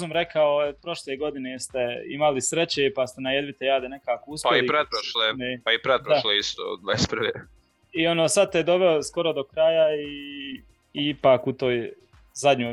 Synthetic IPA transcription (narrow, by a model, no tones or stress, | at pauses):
zumɾekʰaojepɾo̞ʃleːɡo̞d̪inest̪eḭmalisɾet͡ɕeːpast̪enajed̪ʋit̪ejaːd̪ene̞kaːko̞uspaiipɾet̪̚pɾoʃleepaipɾed̪̚dpɾoʃloist̪o̰d̪ʋaspɾʋeː | io̞noːsad̪̚t̪ed̪o̞ʋeosko̞ɾo̞d̪o̞kɾaːjaiː | ipaːkut̪oːj | zad̪ʲɲoː